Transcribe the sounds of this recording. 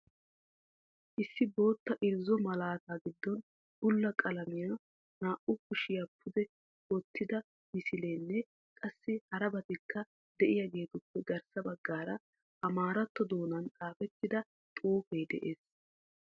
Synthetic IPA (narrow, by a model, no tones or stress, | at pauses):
ʔɪsːɪbo̞ːt̪ːɐʔɪɾzːɔmɐlaːt̪aːɡɪd̪ːɔn | bʊlːɐkʼɐlɐmɪjaː | naːʔʊkʊʃɪjapʰʊd̪ɛ | wɔt̪ʰːɪd̪ɐ | mɪsɪle̞ːnːɛ | kʼɐsːɪhɐɾɐbɐt̪ɪkːɐ | d̪ɛʔɪjaɡe̞ːt̪ʊpːɛɡɐɾsɐbɐɡːaːɾɐ | ʔɐmaːɾɐt̪ːɔd̪o̞ːnɐnt͡sʼaːfɛt̪ːɪd̪ɐ | t̪ʼuːfejd̪ɛ̰ʔe̞ːs